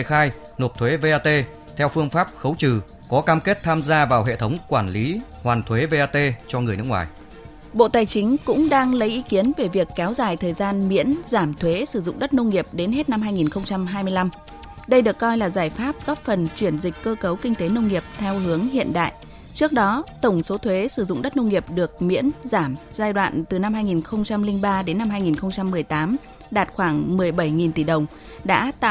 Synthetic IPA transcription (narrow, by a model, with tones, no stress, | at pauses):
xaː˧j | no˨˩t̪ʰwe˨˦ve˧ʔaː˧t̪e˧ | t̪ʰɛ˧wfɨ˧əŋfaː˦˥p̚xə˨˦wt͡ɕɨ˨˩ | kɔ˨˦kaː˧mke˦˥t̚t̪ʰaː˧mzaː˧vaː˨˩wɦḛ˧˨t̪ʰə˨˦wŋ͡mkwaː˧˩nli˨˦hwaː˨˩nt̪ʰwe˨˦ve˧ʔaː˧t̪e˧t͡ɕɔ˧ŋɨ˨˩əjnɨ˦˥kŋwaː˨˩j | ɓo̰˧˨t̪aː˨˩jt͡ɕï˨˦ŋ̟kʊ̰˧˥ŋ͡mɗaː˧ŋlə˨˦jʔi˨˦ki˨˦ənve˧˩vi˨˩əkːɛ˨˦wzaː˨˩jt̪ʰəː˨˩jzaː˧nmḭ˧˥ənzaː˧˩mt̪ʰwe˨˦sɨ˧˩zʊ̰˧˨ŋ͡mɗə˦˥t̚nə˧wŋ͡mŋi˨˩əp̚ɗe˨˦nɦe˦˥t̚na˧mɦaː˧jŋi˨˩nxə˧wŋ͡mt͡ɕa˧mɦaː˧jmɨ˧əjla˧m | ɗə˧jɗɨ˨˩əkːɔ˧jlaː˨˩zaː˧˩jfaː˦˥p̚ɣɔ˦˥p̚fə˨˩nt͡ɕwi˧˩ənzï˨˩k̟̚kəː˧kə˨˦wkï˧ŋ̟t̪e˨˦nə˧wŋ͡mŋi˨˩əp̚t̪ʰɛ˧wɦɨ˨˦əŋɦḭ˧˨ənɗa̰ː˧˨jʔ | t͡ɕɨ˦˥ək̚ɗɔ˨˦t̪ə˧˩ŋ͡mso˨˦t̪ʰwe˨˦sɨ˧˩zʊ̰˧˨ŋ͡mɗə˦˥t̚nə˧wŋ͡mŋi˨˩əp̚ɗɨ˨˩ək̚mḭ˧˥ənzaː˧˩mzaː˧jɗwa̰ː˧˨nt̪ɨ˨˩na˧mhɦaː˧jŋi˨˩nxə˧wŋ͡mt͡ɕa˧mlï˧ŋɓaː˧ɗe˨˦nːa˧mɦaː˧jŋi˨˩nxə˧wŋ͡mt͡ɕa˧mːɨ˨˩əjt̪aː˨˦m | ɗaː˨˩t̚xwaː˧˩ŋmɨ˨˩əjɓə˧˩jŋi˨˩nt̪i˧˩ɗə˨˩wŋ͡m | ɗa̰ː˧˥t̪a̰˧˨